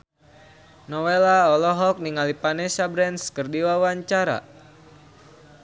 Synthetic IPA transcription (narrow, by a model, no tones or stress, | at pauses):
nɔwelaɔlɔɦɔk̚niŋalipanɛsabɾɛnskərdiwawaɲt͡ʃaɾa̰